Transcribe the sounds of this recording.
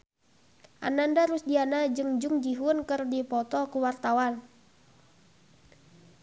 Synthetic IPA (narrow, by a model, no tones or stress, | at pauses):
ʔa̰nandaɾusdianad͡ʒɨŋd͡ʒuŋd͡ʒiɦʊnkɨrdipɔt̪ɔkuwart̪awan